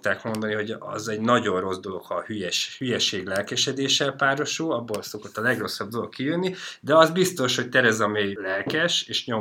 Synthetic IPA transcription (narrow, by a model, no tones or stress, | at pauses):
t̪aːkmo̞nd̪ɒniɦo̞ɟɒ̰zɛɟnɒɟo̞nro̞zd̪o̞lo̞kʰhɒːhyjɛʃhyjɛʃeːɡlɛlkɛʃɛd̪eːʃɛlpaːɾo̞ʃoːɒbːoːlso̞ko̞t̪ːɒlɛɡro̞sːɒb̚d̪o̞lo̞kkːijønːid̪ɛɒzbist̪o̞ʃho̞c̚t̪ɛɾɛzɒmeːjlɛlkɛʃeːʃɲo̞